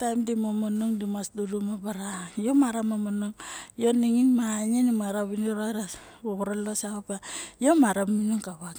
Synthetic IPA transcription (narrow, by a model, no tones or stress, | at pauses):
tajmdimomonuŋdimasdudumabaɾajomaɾamamonoŋjoniŋinmaɲenimaɾaβiniɾoɾa | oβuɾalosaapajomaɾamminuŋkaβak